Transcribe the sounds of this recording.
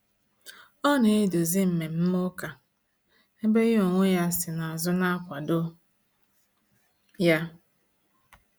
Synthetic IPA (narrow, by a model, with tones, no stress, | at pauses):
ɔ˦ne˨˦do˨zi˦m̩˨me˨m̩˦mo˦ka˨ | e˦be˦jo˨ŋʷʊ˦ja˦sɪ˨na˨a˨zʊ˦na˦kʷa˨dʊ˦ | ja˦